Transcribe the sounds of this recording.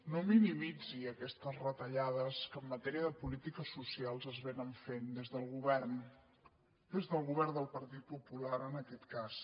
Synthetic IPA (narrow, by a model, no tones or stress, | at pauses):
nominimid͡ziəkɛst̪əzrət̪əʎaðəskəmːət̪ɛɾiəðəpulit̪ikəsusialˠzəzβenəɱfend̪ezðəlˠɣuβɛrn | d̪ezðəlˠɣuβɛrnd̪əlˠpəɾt̪it̪̚pupulaɾənəkɛt̪kas